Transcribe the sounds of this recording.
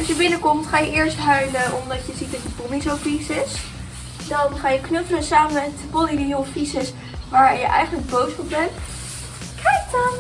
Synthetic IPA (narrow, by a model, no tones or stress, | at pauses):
ɑsjəbɪnəkɔmtχaːjəʔɪːɹstɦœɥləʔɔmdɑtjəzit̚dɔtdəpɔlisofisɪs | dɑnχaːjəknøfələnsaːməmɛtpoliniofisəs | ʋaːɹjəʔɛ̰jχənləɡ̚bowsɔpbɛnt | kɛjktɔn